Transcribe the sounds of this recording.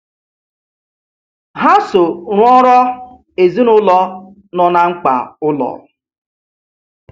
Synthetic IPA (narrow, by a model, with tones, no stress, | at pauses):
ɦa˦so˨ɾʊ˦ɔ˦ɾɔ˦ | e˨zi˦nʊ˦lɔ˦ | nɔ˨na˨ŋ͡m̩˦k͡pa̰˨ʊ˦lɔ̰˨